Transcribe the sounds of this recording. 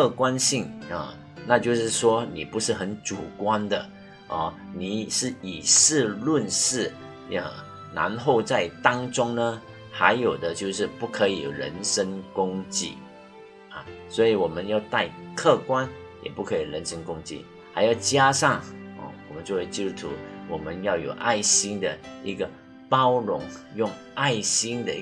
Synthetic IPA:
kʰɤ˥˧kwa˦nɕi˥˩ŋə̰˨˩ | na˥˧t͡ɕjo˥˧ʊʂɻ̩˥˩ʂwɔ˥ni˨˩pu˧˦˥ʂɻ̩˥˩xə˧˥nʈ͡ʂu˨˩kwa˥nd̪ə˨ | ʔɐ˥˩ni˨˩˦ʂɻ̩˥˩i˨˩ʂɻ̩˥˧lwə˥˧nʂɻ̩˥˩ | ə̰˨˩ | na̰˧˥nxo˥˧ʊt͡sa˥˩ɪt̪ɑ˥ŋʈ͡ʂʊ˥ŋnə˨ | xa˧˥ɪjo˨˩ʊd̪ə˦t͡ɕjo˥˧ʊʂɻ̩˥˧pu˥˩kʰɤ˧˥ḭ˨˩ɻə̰˧˦˥nʂə˥ŋkʊ˥ŋt͡ɕḭ˥˩ | ɐ˨˩swɔ˧˥i˨wɔ˨˩mə˦njɑ˥˧ʊt̪a˥˧ɪkʰɤ˥˧kwa˥n | jɛ̰˨˩pu˥˩kʰɤ˧˦˥i˨˩ɻə˧˦˥nʂə˥nkʊ˥ŋt͡ɕḭ˥˩ | xa̰˧˥ɪjo˥˩ʊt͡ɕja˥ʂɑ˥˩ŋɔ̰˨˩wɔ̰˨˩mə˦nt͡ɕjo˥˧we˥˩ɪt͡ɕi˥t̪u˥t̪ʰṵ˧˥wɔ˨˩mə˦njɑ˥˩ʊjo˨˩ʊʔa˥˩ɪɕi˥nd̪ə˨i˧˥ɡə˨ | pɑ˥ʊɻʊ˧˥ŋjʊ˥˧ŋ | ʔa˥˩ɪɕi˥nd̪ə˨˧

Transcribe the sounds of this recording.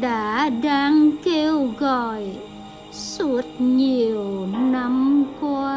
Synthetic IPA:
ɗa̰ː˧˥ɗaː˧ŋke˧wɣɔ˨˩˨j | su˦˥ət̚ɲi˨˩əwna˧˥mkwa˧

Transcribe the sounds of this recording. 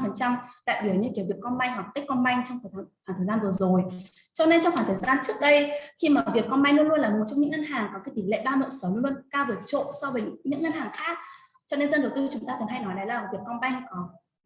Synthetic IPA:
fə˨˩nt͡ɕa˧mɗa̰ː˧˨jɓi˨˩əwɲɨ̰˧ki˨˦wvi˨˩əkɔ˧nɓa˧jŋ̟ɦwa˨˩k̚t̪e˦˥kːɔ˧nɓa˧jŋt͡ɕɔ˧ŋ͡mxːxwaː˨˧˩ŋt̪ʰə˨˩zaː˧nvɨ˨˩əzo˨˩j | t͡ɕɔ˧ne˧nt͡ɕɔ˧ŋ͡mxwaː˧˩t̪ʰəː˨˩zaː˧nt͡ɕɨ˦˥ək̚ɗə˧jxi˧maː˨˩vi˨˩ək̚ːɔ˧nɓa˧jŋlu˧ənlu˧ənlaː˨˩mo˨˩t̚t͡ɕɔ˧wŋ͡mɲɨ̰˧˥ŋə˧nɦaː˨˩ŋkɔ˨˦ka˨˦jt̪i˨˦ŋ̟lḛ˧˨ɓaː˧mə̰ː˧˨sə˨˦wlu˧nlu˧ə˧nkaː˧wvɨ˨˩ət͡ɕo̰˧˨sɔ˧vəː˨˦ɲ˥ɲɨ̰˧˥ŋə˧nhaː˨˩ŋxaː˦˥k̚ | t͡ɕɔ˧ne˧nzə˧nɗə˨˩wt̪ɨ˧t͡ɕʊ˨˦ŋ͡mt̪aː˧ə˨˩ɦa˧jnɔ˨˦jɗa˨˦jlaː˨˩˨vək̚kɔ˧nɓa˧jŋ˧kɔ˨˦

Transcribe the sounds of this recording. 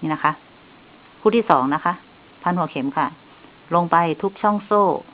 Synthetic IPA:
na˦˥˩kʰa˦˥ʔ | kʰuː˧˥˩t̪ʰiː˥˩sɔː˩˦ŋna˦˥kʰa˦˥ʔ | pʰa˧˥˨nhu˨˩˦kʰe˨˩˦mkʰa˧˩ | lo˧ŋpa˧jt̪ʰu˦˥k̚t͡ɕʰɔ˥˩ŋsoː˥˩

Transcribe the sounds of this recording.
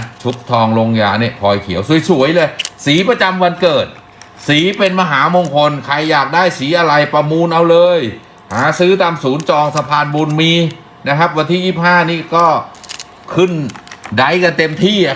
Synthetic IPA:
t͡ɕʰu˦˥p̚t̪ʰɔː˧ŋlo˧ŋjaː˧˩ni˥˩ɐpʰɔː˧jkʰi˩˦əwsu˩˦jsu˨˩˦əjlɤː˧jsiː˩˦pɾa˧t͡ɕa˧mwa˧nkɤː˨˩t̪̚ | siː˩˦pe˧nma˧ɦaː˩˦mo˧ŋkʰo˧nkʰa˧jːaː˨˩k̚daː˥˩jsiː˩˦ʔa˧ɾa˧jpɾa˧muː˧nʔa˧wlɤː˧j | haː˩˦sɯː˦˥t̪aː˧msuː˩˦nt͡ɕɔː˧ŋsa˧pʰaː˧nbuː˧nmiː˧ | na˦˥kʰa˦˥p̚wa˧nt̪ʰiː˥˩˨ʔiː˥˩p̚haː˥˩niː˥˩kɔː˥˩ | kʰɯ˥˩nda˦˥jka˧nt̪e˧mt̪ʰiː˥˩

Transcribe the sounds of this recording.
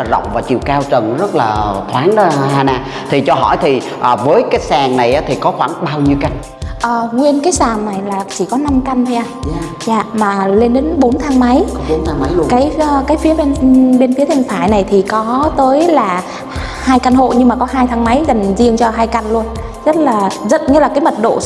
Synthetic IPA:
laː˨˩zə̰˧˨wŋ͡mvaː˨˩t͡ɕḭ˧˨əwkaː˧wt͡ɕə˨˩nzə˦˥t̚laː˨˩t̪ʰwaː˨˦nɗa˨˦haː˧naː˧˩ | t̪ʰi˨˩t͡ɕɔ˧ɦɔ̰˧˩jt̪ʰi˨˩ | ʔəː˨˩vəː˨˦jkaː˨˦jsaː˧˩ŋna˨˩jʔaː˨˦t̪ʰi˨˩kɔ˨˦xwaː˧˩nɓaː˧wɲi˧əwka˦˧˩jŋ̟̚ | ʔəː˨˩ŋwi˧ənkaː˨˦jsaː˨˩mna˨˩jlaː˨˩t͡ɕi˧˩kɔ˨˦na˧mka˧nt̪ʰo˧jʔaː˧ | zaː˧˩maː˨˩le˧nɗe˨˦nɓo˨˦nt̪ʰaː˨˦ŋma˨˦jnt̪ʰaː˨˧˦a˨˦jkaː˨˦jkaː˨˦jfi˨˦əɓe˧nɓe˧nfi˨˦ət̪ʰi˧ŋ̟fʰaː˧˩jna˨˩jt̪ʰi˨˩kɔ˨˦t̪əː˨˦jlaː˨˩ | haː˧jka˧nɦo̰˧˨ɲɨ˧ŋmaː˨˩kɔ˨˦ɦaː˧jt̪ʰa˨˧˦ŋma˨˦jza˨˩jŋ̟zi˧əŋt͡ɕɔ˧ɦaː˧jka˧nlu˧ən | zə˦˥t̚laː˨˩zə˦˥t̚ɲɨ˧laː˨˩kaː˨˦jmə˨˩t̚ɗo̰˧˨

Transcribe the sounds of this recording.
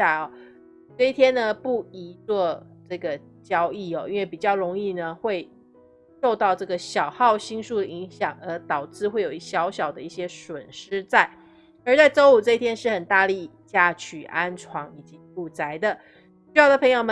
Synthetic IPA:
a˥˩ɔ˨˩ | ʈ͡ʂɤ˥˧i˥t̪ʰjɛ˥nnə˨pu˥˩i˧˥t͡swɔ˥˧ʈ͡ʂɤ˥˩ɡə˩ | t͡ɕjɑ˥ʊi˥˩ɔ̰˨˩ʔi˥nwe˥˩pi˨˩t͡ɕjɑ˥˩ʊɻo˧˥ŋi˥˩nə˩xwe˥˧ɪ | ʂo˥˧ʊt̪ɑ˥˧ʊʈ͡ʂɤ˥˩ɡə˩ɕjɑ˨˩ʊxɑ˥˩ʊɕi˥ŋʂu˥˩d̪ə˩i˧˥ŋɕjɑ˨˩ŋə˧˥t̪ɑ˨˩ʊʈ͡ʂɻ̩˥˧xwe˥˩ɪjo˨˩i˥˩ɕjɑ˧˥ʊɕjɑ˨˩ʊd̪ə˦i˥˩ɕjɛ˥ʂwə˨˩nʂɻ̩˥t͡sa˥˩ɪ | ə˞˧˥t͡sa˥˩ɪʈ͡ʂo˥ʊu˨˩ʈ͡ʂɤ˥˧i˥t̪ʰjɛ˥nʂɻ̩˥˩xə˨˩nt̪a˥˧li˥˧ | t͡ɕja˥˩t͡ɕʰy˨˩ʔa˦nʈ͡ʂʰwɑ˧˥ŋi˨˩t͡ɕi˧˦fu˥˩t͡sa˧˥ɪd̪ə˨ | y˧˥jɑ˥˩ʊdə˩pʰɤ˧˥ŋjo˨˧ʊmə˧

